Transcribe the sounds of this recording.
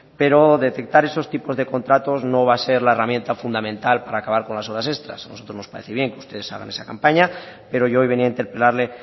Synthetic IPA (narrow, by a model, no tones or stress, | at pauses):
pe̞ɾo̞ðe̞t̪e̞k̚t̪aɾe̞so̞st̪ipo̞zðe̞ko̞nt̪ɾat̪o̞zno̞β̞ase̞ɾlaeramje̞nt̪afund̪amẽ̞nt̪alpaɾaːkaβaɾko̞nlaso̞βɾase̞st̪ɾa̰sanoso̞t̪ɾo̞znospaɾe̞θeβje̞ŋkeu̥st̪e̞ð̞e̞sa̰ɣa̰ne̞sakampaɲape̞ɾo̞ʝoojβe̞niaint̪e̞ɾpe̞laɾle̞